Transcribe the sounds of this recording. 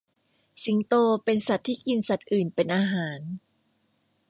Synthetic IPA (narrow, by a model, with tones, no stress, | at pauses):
si˩˦ŋt̪oː˧pe˧nsa˨˩t̪ʰːiː˥˩ki˧nsa˨˩t̪̚ʔɯː˨˩npe˧nʔaː˧ɦaː˩˦n